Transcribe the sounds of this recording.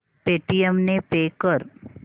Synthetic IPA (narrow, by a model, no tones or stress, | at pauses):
peːʈijəmnepeːkəɾ